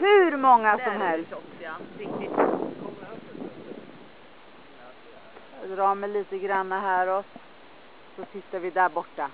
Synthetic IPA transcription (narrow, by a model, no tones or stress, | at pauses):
hɵɾmɔŋːasɔmhɛlst̪ | d̪ɾɑːmɛjliːt̪əɡɾanːaɦæːɾɔ | sɔt̪ʰɪt̪ːaɾvɪd̪æɾbɔʈːa